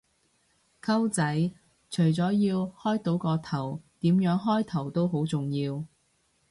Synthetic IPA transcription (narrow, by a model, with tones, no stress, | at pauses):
kʰɐ˥wt͡sɐ˨˥j | t͡ʃʰɵ˨˩ɥt͡sɔː˨˥jiː˧whɔː˥jt̪o˨˥wkɔː˧t̪ʰɐ˨˩wt̪iː˨˥mjœː˨˥ŋɦɔː˥jt̪ʰɐ˨˩wt̪o˥wɦo˨˥wt͡sʊ˨ŋjiː˧w